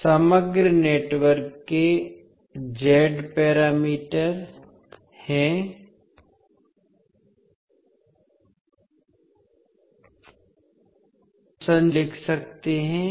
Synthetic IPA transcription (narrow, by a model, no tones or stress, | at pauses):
sɐməɡɾneːʈwəɾkːe | d͡ʒɛːɖpɛːɾaːmiːʈəɾ | hɛ̃ | sə̃nlɪkʰsɐk̚t̪eɦɛ̃